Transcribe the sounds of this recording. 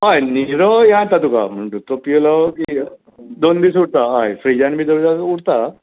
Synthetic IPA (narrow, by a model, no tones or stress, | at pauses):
ɦajniɾɔjãt̪at̪uka̰m̤əɳʈut̪opilɔki | d̪ond̪iːsuɽt̪aajfɾid͡ʑanmiːd̪oɽd͡zasuɽt̪a